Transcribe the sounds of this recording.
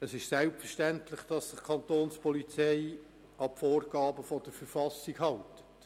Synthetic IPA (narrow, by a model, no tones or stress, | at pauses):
əsɪʃsɛlpfəʃtæntlɪχd̥ɑsːɪχkʰɑntoːnspʰɔlit͡sɛɪ | ɑpfoːrɡ̥ɑːbəfɔd̥əɾfəɾfɑsiɡɦɑltə̥t